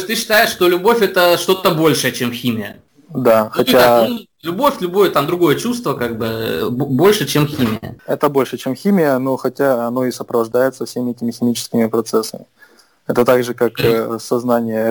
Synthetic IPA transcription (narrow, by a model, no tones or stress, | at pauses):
t̪ɨɕːɪ̥t̪ajɪʂːt̪olʲʊbo̞fʲɛt̪əʂt̪o̞t̪əbo̞lʲʂɨjət͡ɕemxʲimʲɪjə̰ | d̪axɐtʲa | lʲʊbo̞fʲlʲʊbojət̪amd̪ɾʊɡo̞jət͡ɕust̪vəkaɡ̚bɨbbo̞lʲʂɨt͡ɕemxʲimʲɪjə̰ɛt̪əbo̞lʲʂɨt͡ɕe̞mxʲimʲɪjəno̞xɐtʲaɐnoɪsəpɾəvɐʐd̪ajɪt̪səfsʲemʲɪɛtʲɪmʲɪxʲɪmʲit͡ɕɪ̥skʲɪmʲɪpɾɐt̪sɛsːəmʲɪ | ɛt̪ət̪aɡʐɨkaksɐznanʲɪjə